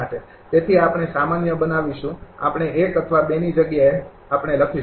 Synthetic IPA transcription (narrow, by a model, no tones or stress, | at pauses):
aʈe | t̪et̪ʰiapɽ̃esamanjəbənaʋiʃũa̰pəɳ̃eʔekət̪ʰʋabenid͡ʒəɡjae | apɳ̃eləkʰi